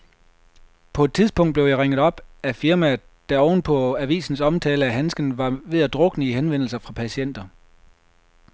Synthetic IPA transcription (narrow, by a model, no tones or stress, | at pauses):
pʰɒ̽e̝d̥̚t͡sʰiðˠsb̥ɔ̽ŋ̰d̥̚ble̝ʊjɑʁeŋ̰ð̩ˠɒ̽b̥æfiɐmæ | d̥æɒʊn̩pʰɒ̽æʋḭːsn̩sɒ̽mt͡sʰɛːləæɦænsɡ̥ən̩ʋɑ̈ʋe̝ð̰ˠæd̥ʁɔ̽ɡ̥nəiɦenʋen̰l̩sɐfʁɑ̈pʰæɕien̰d̥ɐ